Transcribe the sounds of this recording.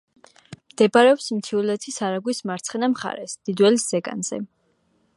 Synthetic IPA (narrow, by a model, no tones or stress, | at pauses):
md̪̥ɛbaɾɛɔpsmt̪sʰiulɛt̪ʰisaɾaɡwismaɾt̪sʰχɛnamχa̰ɾɛ̰sd̪̥id̪wɛlisz̥ɛɡʼa̰nz̥ɛ̰